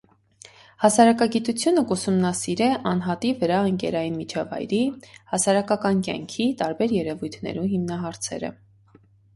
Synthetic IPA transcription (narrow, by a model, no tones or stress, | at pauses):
hɑsɑɾɑkɑɡit̪ut͡sʰjunəkusumnɑsiɾɛʔɑnɦɑt̪ivəɾɑəŋkɛ̰ɾɑjinmit͡ʃʰɑvɑ̰jɾihɑsɑɾɑkɑkɑnkjɑ̰ŋkʰit̪ɑɾbɛɾjɛɾɛvujt̪ʰnɛ̰ɾuɦimnɑɦɑɾt͡sʰɛ̰ɾə̰